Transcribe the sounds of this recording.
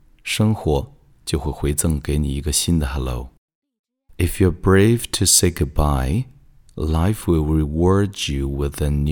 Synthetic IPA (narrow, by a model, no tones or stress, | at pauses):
ʂəŋxwɔ | t͡ɕjoʊxweɪxweɪt͡səŋkeɪnḭiɡəɕind̪əhɛlo̰ʊ | ɪfjɔ˞bɹeɪvtʰɨseɪɡʊd̚baɪ | laɪfwɪlˠɹɪwɔɹd͡ʒjuwɪðən